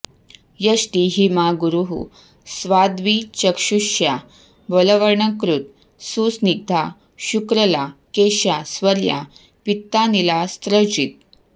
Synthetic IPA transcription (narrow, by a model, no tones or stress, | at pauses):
jəsʈiɦimaɡuɾuɦṵ | sʋad̪ʋit͡ɕəkʃuɕja | bələʋəɾɳəkɾut̪̚ | susniɡ̚d̪ʱa | ɕukɾəlakeɕjasʋəɾja̰ | pit̪ːanilast̪ɾəd͡ʑit̪̚